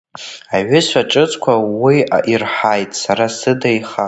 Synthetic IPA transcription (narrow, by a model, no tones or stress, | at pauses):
aʕʏsʷaʈ͡ʂʼɨt͡sʼkʷʰawia̰ʔirħajtʼsaɾasɨdajχa